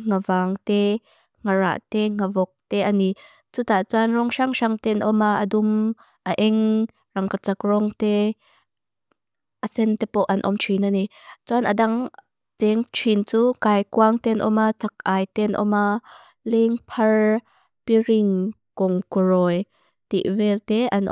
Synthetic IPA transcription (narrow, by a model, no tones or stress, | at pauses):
ŋavaːŋt̪ɛ | ŋara̰ʔt̪ɛŋavɔk̚t̪ɛʔani | t͡sut̪aʔt͡sanrɔŋʃaŋʃaŋt̪ɛnʔɔmaʔədum | ʔaʔɛŋ | rɐŋkat͡sakrɔŋt̪ɛ | ʔəsɛnt̪ɛpɔʔɐnʔɔ̰mt͡ʃʰinanit͡suanʔa̰daŋ | t͡sɛŋt͡ʃʰint͡sukaːjkuaŋt̪ɛnʔɔ̰mat͡sʰak̚ʔaːjt̪ɛnʔɔ̰ma | lɛŋpʰɐr | piriŋkɔŋkurɔj | t̪ḭʔvɛt̪ɛʔɐnʔ